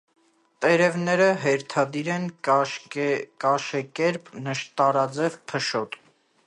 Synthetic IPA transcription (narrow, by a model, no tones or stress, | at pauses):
t̪ɛɾɛvnɛɾəɦɛɾt̪ʰɑd̪iɾɛn | kɑʃɛkɛɾpnəʃt̪ɑɾɑd͡zɛvpʰəʃɔt̪